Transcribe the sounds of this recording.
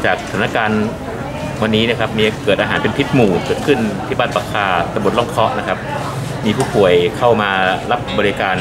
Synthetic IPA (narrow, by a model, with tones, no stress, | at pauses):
t͡ɕaː˨˩k̚sḁ˧t̪ʰaː˨˦na˦˥˧kaː˧n | wa˧nːiː˦˥na˥˧kʰa˦˥p̚miː˧kɤː˨˩t̪̚ʔaː˧ɦaː˩˦npe˧npʰi˦˥t̪̚muː˨˩kɤː˨˩t̪̚kʰɯ˥˩nʰiː˦˥˩baː˥˩t̪̚pa˧˩kʰːaː˧˩t̪ːbn̚lɔ˥˩ŋkʰɔ˦˥ʔna˦˥kʰa˦˥p̚ | miː˧pʰuː˥˩pʰu˨˩əjkʰa˥˩wmaː˧ɾa˦˥p̚bɔː˧ɾi˧kaː˧n